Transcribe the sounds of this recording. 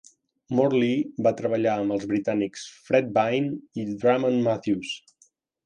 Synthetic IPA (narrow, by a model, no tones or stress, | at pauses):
mɔɾlibat̪ɾəβəʎaəmbəlˠzβɾit̪aniksfɾɛd̪̚bajnid̪ɾamənmaθjus